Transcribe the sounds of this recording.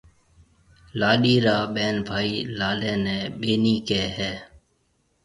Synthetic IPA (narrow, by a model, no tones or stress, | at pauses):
laːɗiːɾaːɓɛːnbʱaːiːlaːlẽːnɛ̃ːɓeːniːkɛːɦɛː